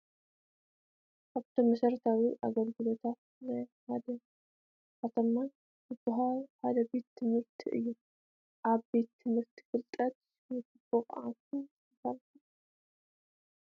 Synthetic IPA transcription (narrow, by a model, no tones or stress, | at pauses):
ʔaβt̪ʰɐmɐsɐɾt̪ʰawiʔa̰ɡɐlɡɨlo̞t̪ʰat̪̚ | najhad̪ɐ | kat̪ʰɐmːan | zɨbɨɦalħad̪ɐbe̞t̪ʰːɨmɨɾt̪ʰiʔɨ̰jːu | ʔaβbe̞t̪ʰːɨmhɨɾt̪ʰi̥fɨlt̪ʼɐt̪̚ | mɨt̪ɨb̥oχʼʕakʰu | ɐfalku